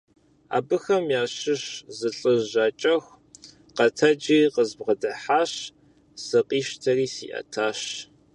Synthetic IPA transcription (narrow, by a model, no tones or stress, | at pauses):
a̰ːbɨxɐmjaːɕɪɕzɨɬʼɨʒaːt͡ʃʼɐxʷ | qɐtʰɐd͡ʒiːqəzbʁɐdɐħaːɕ | sɨqʼiːʃtʰɐriːsḭːʔɐ̰tʰaːɕ